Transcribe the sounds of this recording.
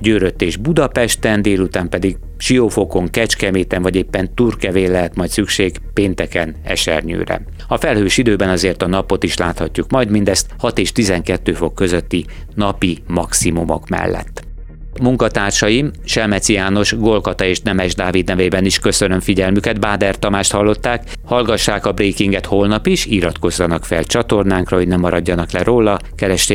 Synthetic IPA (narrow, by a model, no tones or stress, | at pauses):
ɟøːɾøt̪ːeːʒbud̪ɒpɛʃt̪ɛnd̪eːlut̪aːmpɛd̪iɡ | ʃijoːfo̞ko̞ŋkɛt͡ʃkɛmeːt̪ɛɱvɒɟeːpːɛnt̪uːrkɛveːlɛɦɛt̪mɒjt̪sykʃeːɡ | peːnt̪ɛkɛnɛ̰ʃɛ̰rɲø̰ːɾɛ̰ | ɒfɛlhøːʃid̪øːbɛnɒzeːrt̪ɒnɒpo̞t̪iʃlaːt̪hɒcːukmɒjd̪mind̪ɛst̪hɒt̪eːʃt̪izɛŋkɛt̪ːøːfo̞kːø̞zøt̪ːi | nɒpimɒksimumo̞̰kmɛ̰lːɛ̰t̪ː | muŋkɒt̪aːrʃɒjimʃɛlmɛt̪sijaːno̞ʃɡolkɒt̪ɒeːʃnɛmɛʒd̪aːvid̪nɛveːbɛniʃkø̞sønø̞mfiɟɛlmykɛd̪baːd̪ɛrt̪ɒmaːʃt̪hɒlːo̞t̪ːaːk | hɒlɡɒʃːaːkɒbreːkiŋɡɛt̪holnɒpiʃiɾɒt̪ko̞zːɒnɒkfɛ̰lt͡ʃɒt̪o̞rnaːŋkrɒɦo̞ɟnɛmːɒɾɒɟːɒnɒklɛɾoːlːɒkɛɾɛʃt̪e